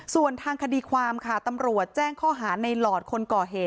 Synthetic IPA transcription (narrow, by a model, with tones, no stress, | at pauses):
su˨˩ənt̪ʰaː˧ŋkʰa˧diː˧kʰwaː˧mkʰa˥˩t̪a˧mɾu˨˩ət̪̚t͡ɕɛː˥˩ŋkʰɔː˥˩ɦaː˩˦na˧jlɔː˨˩t̪̚kʰo˧nkɔː˨˩ɦeː˨˩t̪̚